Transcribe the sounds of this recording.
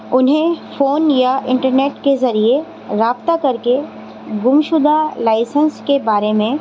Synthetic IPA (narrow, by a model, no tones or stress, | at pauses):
ʊnɦẽfoːnjaʔɪ̃ɳʈəɾneːʈkezɐɾie | ɾaːbt̪akɐɾke | ɡʊmʃʊd̪ʱalaːɪsə̃nskebaːɾemẽ